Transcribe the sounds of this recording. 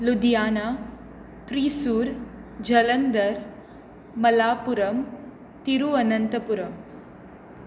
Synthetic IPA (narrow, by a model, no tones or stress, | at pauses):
lud̪ijaːnaː | t̪ɾiːsuːɾd͡ʒɐlɐnd̪ɐɾ | mɐlaːpuɾɐm | t̪iɾuɐnɐnt̪ɐpuɾɐm